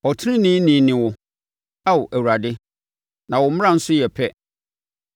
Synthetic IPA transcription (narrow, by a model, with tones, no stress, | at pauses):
ɔ˨tʰɪ˦nɪ̃˦nĩ˦nĩː˨˦nɪ̃˨wʊ˦ | a˦wʔæ˨wu˨ɾa˨dɪ˦ | nã˨wʊ˨˦mʊ̃˦ã˦˨n̩˦sʊ˦jɛ˨pʰɛ˦